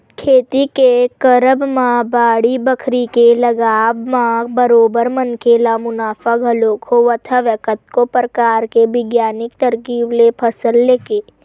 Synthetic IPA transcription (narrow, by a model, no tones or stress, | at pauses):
kʰeːt̪ikekəɾəbmãbaːɽibəkʰɾikelɐɡaːʋmãbəɾoːbəɾmənkelamʊnaːfaɡʱɐlokʰoʋət̪ʰaʋəkət̪̚kopɾəkaːɾkebɪɡjaːnɪk̚t̪əɾkiːblepʰəsəlːeːkeː